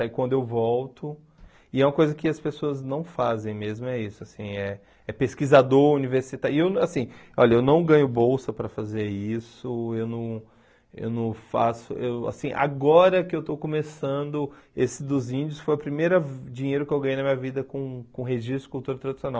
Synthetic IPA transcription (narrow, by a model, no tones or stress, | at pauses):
aikwɐ̃nd̪ʊewvɔwt̪ʊ | ɪɛũmɐkojzɐkɪɐspesoɐznɐ̃w̃fazẽj̃mezmʊɛisʊasĩɛ | ɛpeskizad̪oɾuniveɾsit̪aɪewnasĩɔ̰ʎɐewnɐ̃w̃ɡɐ̃ɲʊbowsɐpɾɐfazeɾisʊewnɐ̃w̃ | ḛwnɐ̃w̃fasʊ̰ʔewa̰sĩʔa̰ɡɔɾɐkɪewt̪owkõmesɐ̃d̪ʊesɪd̪ʊzĩd͡ʒɪʊsfojɐpɾimejɾɐd͡ʒĩɲejɾʊkɪewɡɐ̃jejnɐmĩɲɐvid̪ɐkõkõɦeʒist̪ɾd͡ʒɪkuwt̪uɾɐt̪ɾad͡ʒi̥siõnaw